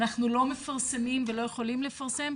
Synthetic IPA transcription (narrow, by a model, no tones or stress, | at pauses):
naχnulomɛfaʁsɛmimvɪloːjɛχolimlɛfaʁsɛm